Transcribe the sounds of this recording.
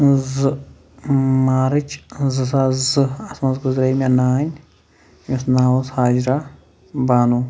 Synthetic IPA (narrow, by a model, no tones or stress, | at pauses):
zɨ | maːɾɨt͡ʃzɨsazɨɐsmɐzɡuzɾɐjmanaːnʲ | misnaːoshaːd͡ʒɾa | baːnu